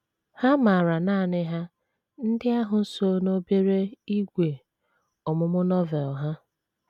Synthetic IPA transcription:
ha˦ma˨ɾa˨naː˦˨nɪ˦ɦa˦ | n̩˦dɪ˦a˦ɦʊ˨n̩˦so˦no˦be˦ɾe˦i˦ɡʷe˨ | ɔ˨mʊ˦mʊ˦nɔ˦vɛ˨lɦa˦

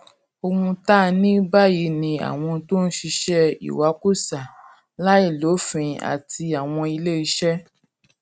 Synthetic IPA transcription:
o˧ɡũ˧ta˦nĩ˦ba˦ji˨˧˦nĩ˧a̰˨w̃ɔ̃˧to˦n̩˦ʃi˧ʃɛ˦ḭ˨wa˨˦ku˦˨sa˨ | la˦i˦˨lo˨˦fĩ˧a̰˨ti˧a˨w̃ɔ̃˧i˧le˦i˧ʃɛ˦

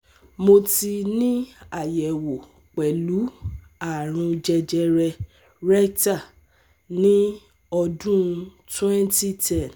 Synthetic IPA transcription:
mo˧ti˧nĩ˦a˦˨jɛ˨wo˨ | k͡pɛ˨lu˨˦ | a˨ɾ̃ũ˧d͡ʒɛ˧d͡ʒɛ˧ɾɛ˧ | ɾɛ˦kta˦˨ | nĩ˦ | ɔ˧dũ˦tɛ̃˦nti˦tɛ˦˨n

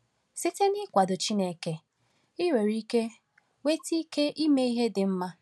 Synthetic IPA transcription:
si˦te˦nɪ˦kʷa˨dʊ˨t͡ʃi˦ne˦ke˨ | ɪ˦ɾe˨ɾi˦ke˦ | we˦ti˦ke˦ʔi˦me˦i˦ɦe˦dɪ˨m̩˦ma˦

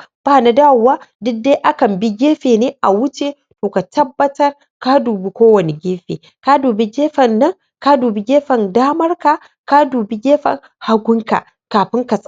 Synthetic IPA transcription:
b̥aː˦˨na˨˦daː˦˨wʊ˨waː˦dʊ˦k̚de˦ʔa˦kɐ˨mbi˦ɡʲeː˦ɸeː˨neː˦ʔa˨wʊ˦t͡ʃe˦ | toː˨ka˨tɐ˦bːɐ˦tɐ˦r | ka˦duː˨bi˦kʷoː˦wɐ˨ne˨ɡʲeː˦ɸḛː˨ | ka˦duː˨be˦ɡʲeː˦ɸɐ˨nːɐ˦ŋ | ka˦duː˨bi˦ɡʲeː˦ɸɐ˨ndaː˦mɐ˦rka˨ | ka˦duː˨bi˦ɡʲeː˦ɸɐ̰˨ŋ | ha˦ɡʷʊ˦ŋka̰˨ | kaː˨ɸɪ˦ŋka˨sʼ

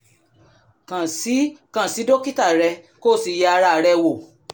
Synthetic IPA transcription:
kã˨si˨˦kã˦˨si˨˦do˦ki˦ta˦˨ɾɛ˧ | ko˦˨si˨ja˧a˧ɾa˧˨˧ɾɛ˧wo˨

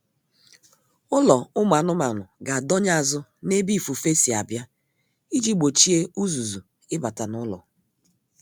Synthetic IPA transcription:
ʊ˦lɔ˨ʊ˦ma˨nʊ˦ma˨nʊ˨ɡa˨dɔ˦ɲ˦a˨zʊ˦ne˦bi˦˨fu˨fe˦si˨a̰˨bja˦ | i˦d͡ʒi˦ɡ͡bo˨t͡ʃi˦e˦u˦zu˨zu˨ | ɪ˦ba˨ta˨nʊ˦lɔ̰˨

